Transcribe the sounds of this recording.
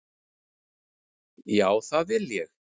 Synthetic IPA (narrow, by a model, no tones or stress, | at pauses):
jaːwθavɪljɛx